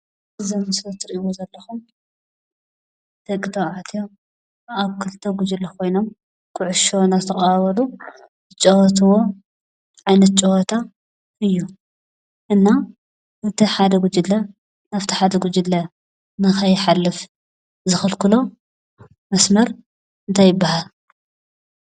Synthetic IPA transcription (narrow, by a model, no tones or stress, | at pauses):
ɨzɐmɨsɾɐt̪ʰɨɾiʔiwozɐlːɐxum | t̪ʰɐkʼɨt̪ʰɐʕat̪ʰijo | aβkʰɨlt̪ʰɐɡud͡ʒɨlːɐkʰo̞jnom | kʰɨʕʊʃonat̪ʰɐχʼaβɐlu | ɨt͡ʃʼowɔt̪̬ʰɨwo̞ | ʕajnɐt̪̚t͡ʃʼowɔt̪ʰa | ɨjːu | ʔɨnːa | ɨt̪ʰiħad̪ɐɡud͡ʒɨlːɐ | naft̪ʰi̥ħad̪ɐɡud͡ʒɨlːɐ | nɨxɐjħalːɨf | zɨxɨlkɨlo̞ | mɐsmɐɾ | ɨnt̪ʰajːɪbːaɦal